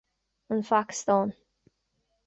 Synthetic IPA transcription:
ənfakst̪ɔn

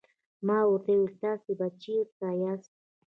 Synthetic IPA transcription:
maut̪ewt̪asɪbat͡ʃikajas

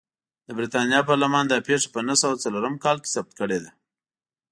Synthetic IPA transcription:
d̪əbɾit̪ɑnjɑpɑɾlamɑnd̪ɑpeʂḁpənasawat͡saloɾəmkɑlke̥sab̚t̪̚kəɽed̪a

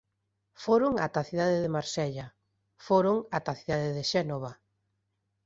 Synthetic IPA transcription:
foɾʊŋa̰t̪aθiðaðeðemaɾsɛʎa | foɾʊŋat̪aθiðaðeðeʃɛnoβ̞a

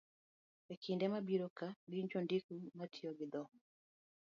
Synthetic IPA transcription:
ɛkʰindɛmabiɾokaɡɪɲt͡ʃondikumatʰioɡɪd̪ɔ

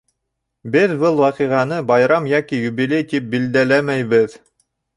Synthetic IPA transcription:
bɘðbɤlˠwɑqiʁɑnɤbɑjɾɑmjɑkijuβilʲejt̪ip̚bild̪ælæmæjβɘð

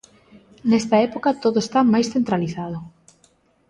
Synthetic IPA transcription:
nest̪ɐɛpokɐt̪oðoest̪amajsθent̪ɾaliθaðʊ

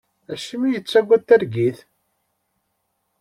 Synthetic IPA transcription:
æʃimijət͡sːæɡʷːæt̪ːæɾɡiθ

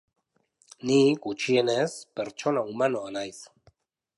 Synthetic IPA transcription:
nikut͡ʃienespeɾt͡ʃonaumanoanajs

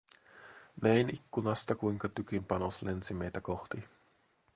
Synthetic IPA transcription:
neinikːunast̪akʷiŋkat̪ukimpanoslʔent͡simet̪akoht̪i

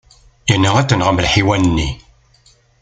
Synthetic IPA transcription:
jənːəæt͡sːənʁəməlħiwænənːi

